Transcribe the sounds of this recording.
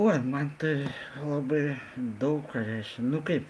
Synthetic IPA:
oːjmɐnt̪ɐlˠɐbɐɪd̪ɐʊkpɐɾʲæɪʃʲkʲɛnʊkɐɪp

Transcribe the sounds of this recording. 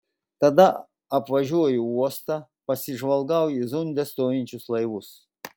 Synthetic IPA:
t̪ɐd̪ɐ | ɐpʋɐʒʲuɔjʊuɔst̪ɑ | pɐsʲɪʒʋɐlˠɡɐwjizʊnʲd̪ʲɛst̪oːjɪnʲt͡ʃʲʊslˠɐɪʋʊs

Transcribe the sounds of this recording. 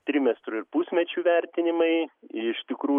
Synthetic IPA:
t̪ʲɾʲɪmʲɛst̪ɾʊɪɾpusʲmʲɛt͡ʃʲuːʋʲɛɾʲt̪ʲɪnʲɪmɐɪɪɪʃt̪ʲɪkɾuː

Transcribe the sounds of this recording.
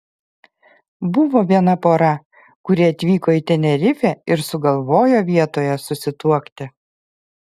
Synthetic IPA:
bʊʋoːʋʲiɛnɐpoːɾɐ | kʊɾʲɪɐt̪ʲʋʲiːkoːiːt̪ʲɛnʲɛɾʲɪfʲɛːɪɾsʊɡɐlˠʋoːjoːʋʲiɛt̪oːjɛsʊsʲɪt̪uɔkt̪ʲɪ

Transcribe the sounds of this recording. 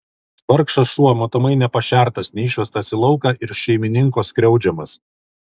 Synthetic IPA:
ʋɐɾkʃɐsʃuɔmoːt̪ɔmɐɪnʲɛpɐʃʲæˑɾt̪ɐsnʲɛɪʃʲʋʲɛst̪ɐsʲɪlˠɐʊkɐʔɪɾʃʲɛɪmʲɪnʲɪŋkoːskɾʲɛʊd͡ʒʲɛmɐs

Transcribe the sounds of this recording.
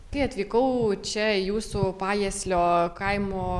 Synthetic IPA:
k̪ɐɪɐt̪ʲʋʲiːkɐʊt͡ʃʲɛjuːsupɑːjɛːsʲlʲoːkɐɪmoː

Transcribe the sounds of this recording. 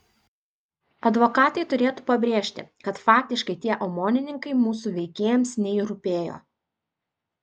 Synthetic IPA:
ɐd̪ʋokɑːt̪ɐɪt̪ʊɾʲeːt̪uːpɐbʲɾʲeːʃʲt̪ʲɪ̰kɐt̪fɑːk̚t̪ʲɪʃkɐɪt̪ʲiɛʔomoːnʲɪnʲɪŋkɐɪmuːsuːʋʲɛɪkʲeːjɛmsnʲɛiɾʊpʲeːjo̰ː

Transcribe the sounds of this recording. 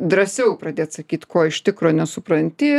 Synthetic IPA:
d̪ɾɐsʲɛʊpɾɐd̪ʲeːt̪sɐkʲiːt̪ʲkoːɪʃt̪ʲɪkɾoːnʲɛsʊpɾɐnʲt̪ʲɪ

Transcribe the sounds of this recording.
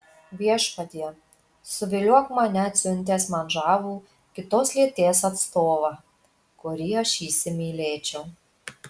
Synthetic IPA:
ʋʲiɛʃpɐd̪ʲiɛ | sʊʋʲɪlʲuɔkmɐnʲɛɐt̪ʲsʲʊnʲt̪ʲeːsmɐnʒɑːʋuː | kʲɪt̪oːslʲiɛt̪ʲeːsɐt̪st̪oːʋɐ | kʊɾʲiːɐʃʲiːsʲɪmʲiːlʲeːt͡ʃʲɛʊ

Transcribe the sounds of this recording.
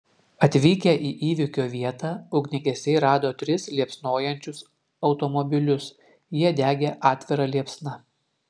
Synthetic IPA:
ɐt̪ʲʋʲiːkʲɛʔiːʔiːʋʲɪkʲoːʋʲiɛt̪ɑʊɡʲnʲɪɡʲɛsʲɛɪɾɑːd̪oːt̪ʲɾʲɪslʲiɛpsnoːjɛnʲt͡ʃʲʊs | ɒʊt̪ɔmɔbʲɪlʲʊs | jiɛd̪ʲæːɡʲeʔɑːt̪ʲʋʲɪɾɑlʲiɛpsnɑ

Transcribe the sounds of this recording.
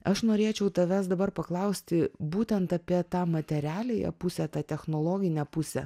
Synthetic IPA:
ɐʃnoːɾʲeːt͡ʃʲɛʊt̪ɐʋʲæsd̪ɐbɐrpɐklˠɐʊsʲt̪ʲɪbuːt̪ʲɛnt̪ɐpʲiɛt̪ɑːmɐt̪ʲɛɾʲæːlʲejɛ̰pʊsʲɛt̪ɑːt̪ʲɛxnoːlˠoːɡʲɪnʲɛpʊsʲɛ̰

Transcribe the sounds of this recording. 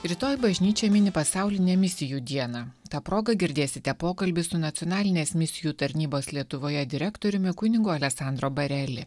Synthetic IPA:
ɾʲɪt̪oːjbɐʒʲnʲiːt͡ʃʲɛːmʲɪnʲɪpɐsɑˑʊlʲɪnʲɛmʲɪsʲɪjuːd̪ʲiɛnɑt̪ɑːpɾoːɡɐɡʲɪɾʲd̪ʲeːsʲɪt̪ʲɛpoːkɐlʲbʲɪsʊnɐt̪ʲiɔnɑːlʲɪnʲeːsmʲɪsʲɪjuːt̪ɐɾʲnʲiːboːslʲiɛt̪ʊʋoːjɛd̪ʲɪɾʲæːkt̪oːɾʲʊmʲɪkʊnʲɪɡʊɐlʲɛksɑˑnd̪ɾoːbɐɾʲɛlʲɪ

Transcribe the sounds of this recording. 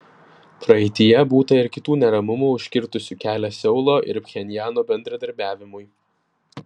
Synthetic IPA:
pɾɐɛɪt̪ʲɪjɛbuːt̪ɐɪɾkʲɪt̪uːnʲɛɾɐmʊmuːʊʃʲkʲɪɾt̪ʊsʲuːkʲæːlʲɛsʲɛʊlˠoːʔɪ̰ɾpʲxʲɛnʲɪjæːnoːbʲɛnʲd̪ɾɐd̪ɐɾʲbʲæːʋʲɪmʊɪ

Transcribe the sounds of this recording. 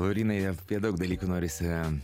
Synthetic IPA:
lˠoʊɾʲiːnɐɪɐpʲiɛd̪ɐʊkd̪ɐlʲiːkunoːɾʲɪsʲ

